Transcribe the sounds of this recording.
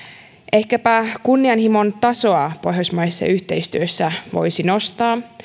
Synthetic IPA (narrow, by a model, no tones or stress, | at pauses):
ʔe̞hkæpækunːiɑnhimo̞nt̪ɑso̞ɑpo̞jɦjosmɑjsːɑ̰yht̪e̞jst̪yøsːæʋo̞̰jsino̞st̪ɑː